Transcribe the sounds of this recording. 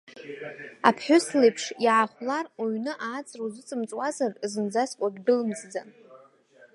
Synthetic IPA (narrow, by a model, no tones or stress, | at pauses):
a̰pʰħʷᶣʊslepʰʂiʕaχʷlaroɥnɨʔaːt͡sʼrozɨt͡sʼɨmt͡sʼwazarzɨnd͡zaskʷʼaɡʲbɨlɨmzd͡zan